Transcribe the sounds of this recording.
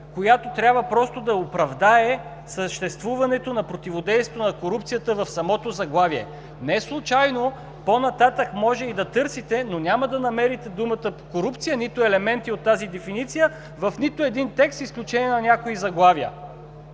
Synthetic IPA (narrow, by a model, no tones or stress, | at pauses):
kojat̪ot̪ɾʲabvəpɾɔst̪od̪ɐopɾɐvd̪aɛ | səʃt̪ɛst̪vuvɐnɛt̪onɐpɾot̪ivod̪ɛjst̪t̪onɐkoɾup̚t̪sijət̪əvɐfsɐmɔt̪ozɐɡlˠaviɛ̰ | nɛslˠut͡ʃajno | ponɐt̪at̪əkmɔʒɛid̪ɐt̪ɤɾsit̪ɛnonʲaməd̪ɐnɐmɛɾit̪ɛd̪umət̪əpo̥koɾupt̪sijənit̪oɛlɛmɛnt̪iot̪ːazid̪ɛfinit̪sijə | vɐfnit̪oɛd̪int̪ɛkst̪isklʲut͡ʃɛniɛnɐnʲakoizɐɡlˠaviə̰